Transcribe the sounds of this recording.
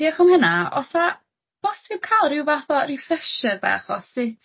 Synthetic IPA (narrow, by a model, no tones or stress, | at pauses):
iaχɔmhənaɔsa | b̥ɔsɪb̥̚kʰalˠrɪwvaθɔrɪfɛʃərbɛ̰χɔsɪtʰ